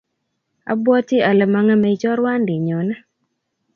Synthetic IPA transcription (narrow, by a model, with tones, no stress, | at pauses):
a̰˨bwɔ˦tɪ˦a˨lɛ˨ma˨ŋa˦me˨i˦t͡ʃɔ˦ɾwa˦ndɪ˨ɲɔ˨na˦